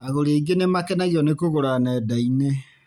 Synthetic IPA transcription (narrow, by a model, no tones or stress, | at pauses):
aɣoɾeiɡenemakɛnaɣiɔnekoɣoɾanɛdaine